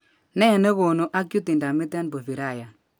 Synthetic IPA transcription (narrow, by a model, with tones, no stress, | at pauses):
nɛ˦˨ne˦ɣo˨no˨ʔa˦kju˦ti˨nda˨mɪ˦tɛ˦nbo˨vi˨ɾa˦˨ja˨